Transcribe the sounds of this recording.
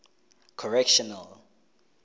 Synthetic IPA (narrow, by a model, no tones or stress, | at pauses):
kʰɔɹɛkʃɔnal